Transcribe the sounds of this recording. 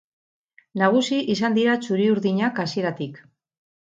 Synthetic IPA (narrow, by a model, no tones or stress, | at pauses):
naɣ̞usiʔisand̪iɾat͡ʃuɾiuɾðiɲakasie̞ɾat̪ik